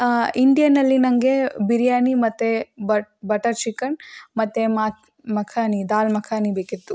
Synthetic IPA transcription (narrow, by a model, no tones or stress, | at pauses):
iɳɖijɐnɐlːinɐŋɡebiɾjaːnimɐt̪ːebɐbɐʈɐɾt͡ʃikːɐɳmɐt̪ːemaːt̪̚ʰ | mɐkʰaːnid̪aːlmɐkʰaːnibeːkit̪ːu